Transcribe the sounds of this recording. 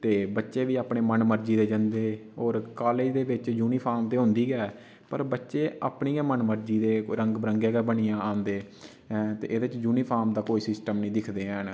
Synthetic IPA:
t̪eːbətːʃeːʋiːaːpɳeːmənməɾd͡ʒiːd̪eːd͡ʒənd̪eːoːɾkaːleːd͡ʒd̪eːʋɪt͡ʃd͡ʒuːniːpʰaːɾmt̪eːɦʊ̃nd̪iːɡɛː | pəɾbətːʃeːa̰ːpɳiːjɛːmənməɾd͡ʒiːd̪eːɾə̃ŋɡbɾəŋɡeːɡɛːbəniːjãːãːnd̪ẽː | t̪ḛːʔɪd̪eɪt͡ʃd͡ʒuːniːpʰaːɾmd̪aːkoːiːsɪsʈəmnĩːd̪ɪkʰd̪eːɦn

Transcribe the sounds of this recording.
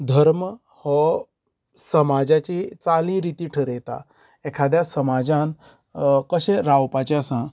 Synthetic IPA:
d̪ʱəɾmə | hɔ | səmad͡ʑat͡ɕit͡salĩɾit̪iːʈʰəɾet̪a̰ | ekʰad̪jasəmad͡ʑãn | kəɕẽɾawpat͡ɕeəsã

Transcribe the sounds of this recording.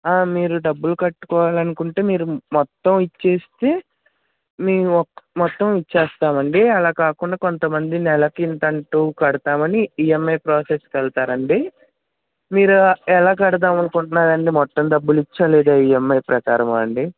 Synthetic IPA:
aːmiːɾuɖɐbːulukɐʈːu̥kɔːʋaːlɐnukuɳʈeːmiːɾumɔt̪ːɐmit͡ʃːe̞ːst̪e̞ː | miːmɔt̪ːɐmit͡ʃːɛːst̪aːmɐɳɖiɐlaːkaːkuɳɖaːkont̪ɐmɐnd̪inɛlɐkint̪ɐɳʈuːkɐɽut̪aːmɐniiːemːejpɾoːseskɐlt̪aːɾɐɳɖi | miːɾuɛlaːk̬ɐɽɐt̪̬aːmɐnukuɳʈunːaːɾɐɳɖimɔt̪ːɐmd̪ɐbːulit͡ʃːaːlɛːd̪aːiːemːɐjpɾɐka̰ːɾɐmɐɐɳɖi

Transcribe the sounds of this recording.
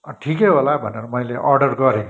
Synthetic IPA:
ʈʰikeɦolabʱʌneɾʌmʌjleʔʌrɖʌrɡʌɾẽk

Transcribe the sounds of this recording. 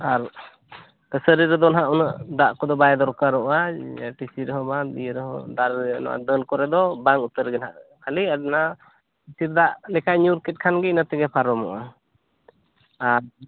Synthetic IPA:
aɾ | t̪əsəɾiɾɛd̪ɔnɦaʔunəʔd̪aʔkɔd̪ɔbajɛd̪ɔɾkaɾɔʔaʈisiɾɛɦɔbadijɾɛɦɔ̰d̪aɾ̰nɔ̰ʔa̰d̪əlkɔɾɛd̪ɔbaŋut̪əɾɡɛnɦaʔkʰaliadna | t̪iɾd̪aʔlɛkaɲuɾkɛt̪̚kʰanɡɛnat̪ɛɡɛpʰaɾɔmɔʔa | aɾ

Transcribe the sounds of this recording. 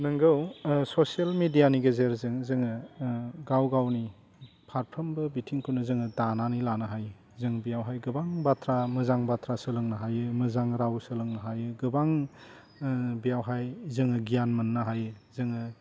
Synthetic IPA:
nɐŋɡɐwsosielmidijaniɡɐzeɾzɯŋzɯŋɯ | ɡawɡawni | pʰaɾpʰɐmbɐbitʰiŋkʰunɐzɯŋɯdananilanɐɦaj | zɯŋbijawɦajɡɯbaŋbatʰɾamɐzaŋbatʰɾasɯlɯŋnɐɦajɯmɐzaŋɾawsɯlɯŋnɐɦajɯɡɯbaŋ | bijawɦajzɯŋɯɡijanmɐnːaɦajɯzɯŋɯ

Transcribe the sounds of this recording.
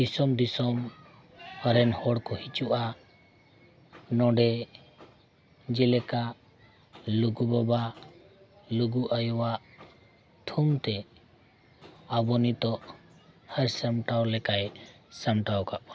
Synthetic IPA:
disɔmd̪isɔm | əɾɛnhɔɽkɔhit͡ʃuʔa | nɔɖɛ | d͡ʒilɛka | luɡubɔba | luɡuʔajɔwaʔ | t̪ʰumt̪ɛ | abɔnit̪ɔʔhəɾsamʈawlɛkaj | samʈawkaʔɔ

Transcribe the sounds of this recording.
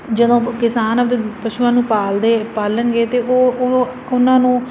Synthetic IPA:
d͡ʒəd̪õːkɪsaːnəd̪eːpəʃuːãːnũːpaːld̪eːpaːlənɡeːt̪eːʔoː | ʊnãːnũː

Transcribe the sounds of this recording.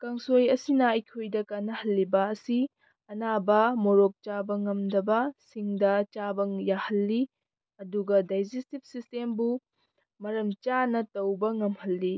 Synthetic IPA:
kɐŋsojɐsinɐɐjkʰojdɐkanːɐhɐlːibɐɐsi | ɐnabɐmoɾok̚t͡ʃabɐŋɐmdɐbɐsiŋdɐt͡ʃabɐŋjahɐlːi | ɐduɡɐdajd͡ʒestip̚sistembu | mɐɾɐmt͡ʃanɐtɐwbɐŋɐmhɐlːi

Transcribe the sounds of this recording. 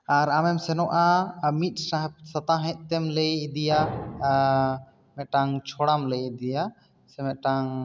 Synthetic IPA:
aɾamɛmsɛnɔʔamit̪̚ˀsasat̪aɦɛ̃ʔ̚t̪ɛmlejid̪ija | mɛt̪̚ʈaŋt͡ʃʰɔɽamləjid̪ija | sɛmɛʔ̪̚ʈaŋ

